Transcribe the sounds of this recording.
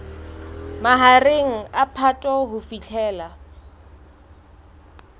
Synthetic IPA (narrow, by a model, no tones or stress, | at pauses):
maɦareŋ̩apʰatʼɔɦʊfit͡ɬʰɛːla